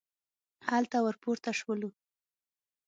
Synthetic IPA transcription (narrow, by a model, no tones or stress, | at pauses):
halt̪awəɾpuɾt̪aʂwəlu